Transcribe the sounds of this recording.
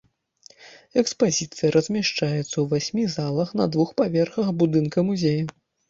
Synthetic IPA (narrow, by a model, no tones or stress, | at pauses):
ɛkspazʲit̪sɨjɐɾʔɐzʲmʲaʂt͡ʂajɛt̪sːɐwvasʲmʲizalˠɐxnɐ̰d̪vuxpavʲɛrxɐxbud̪ɨnkɐmuzʲejɐ